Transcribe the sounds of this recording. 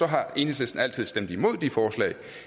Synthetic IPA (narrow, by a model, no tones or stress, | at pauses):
sɒ̽ɦɑ̈e̝ːnəsesd̥n̩æl̰t͡sʰið̰ˠsd̥emd̥imo̝ð̞̰ˠd̥ifɒːslɛ̰ːɪ